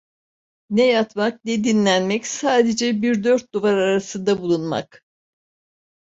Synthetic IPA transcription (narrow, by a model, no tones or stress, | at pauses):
nɛjat̪mak̚ned̪inlʲænmɛcsaːd̪e̞d͡ʒɛbiɾd̪øɾt̪̚d̪uvaɾaɾasɯnd̪abulˠunma̰k